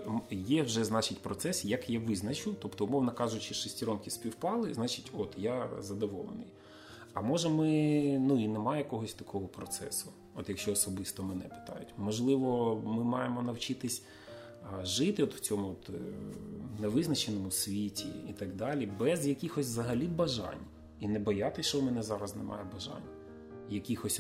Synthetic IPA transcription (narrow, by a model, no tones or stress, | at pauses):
jɛwʒɛznɑt͡ʃɪtʲpɾɔt̪sɛsjɐkjaʋɪznɐt͡ʃʊt̪ɔpt̪ɔʊmɔwnɐkɑʒʊt͡ʃɪʃɪsʲtʲiɾɔmkʲisʲpʲiwpɑlˠɪznɑt͡ʃɪtʲɔt̪jazɐd̪ɔʋɔlˠḛnɪ̰j | ɐmɔʒɛmɪnuinemɑjɛkɔɦɔsʲt̪ɐkʰɔɦɔpɾɔt̪sɛ̰sʊ | ɔt̪jɐkʃt͡ʃɔːsɔbɪst̪ɔmɛnɛpɪ̥t̪ɑ̰jʊtʲmɔʒlˠɪʋɔmɪmɑjemɔnɐwt͡ʃɪt̪ɪsʲ | ʒɪt̪ɪɔt̪w̥t͡sʲɔmʊɔt̪ | nɛʋɪznɐt͡ʃenɔmʊsʲʋʲitʲḭːt̪ɐɡd̪ɑlʲibɛzjɐkʲixɔsʲzɐɦɐlʲibɐʒɑ̰nʲ | inɛbɐjat̪ɪsʲʃt͡ʃɔwmɛnɛzɑɾɐznɛmɑ̰jɛbɐʒɑ̰nʲ | jɐkʲixɔsʲ